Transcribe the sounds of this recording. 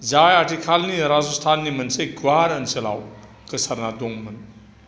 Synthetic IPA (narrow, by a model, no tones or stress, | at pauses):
d͡zajaʈʰikʰalniɾazust̪ʰanːimɐnseɡwaɾɐnsɐla̰w | kəsʰɐɾnad̪oŋmən